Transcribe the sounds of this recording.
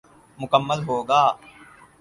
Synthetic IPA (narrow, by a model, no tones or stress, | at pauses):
mʊkəmːəlɦoːɡaː